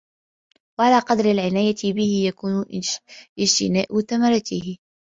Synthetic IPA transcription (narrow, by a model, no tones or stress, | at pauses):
waʕalaːqɑd̪ɾɪlʕɪnaːjat̪ɪbɪhɪjakuːn | ʔɪd͡ʒt̪ɪnaːʔʊθamɑɾˤɑt̪ɪhɪ